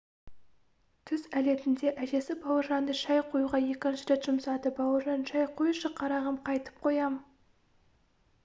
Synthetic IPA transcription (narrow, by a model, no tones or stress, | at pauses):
t̪ʰʏzæle̞t̪ɪnd̪e̞ʔæʒe̞sɪbɑwəɾʒɑnd̪əʃɑjqʰojuʁɑje̞kʲɪnʃɪɾʲet̪ʒ̥ʊmsɑd̪əbɑwəɾʒɑnʃɑjqʰojuʃəqʰɑɾɑʁəmqʰɑjt̪ə̥p̚qʰo̞jɑmə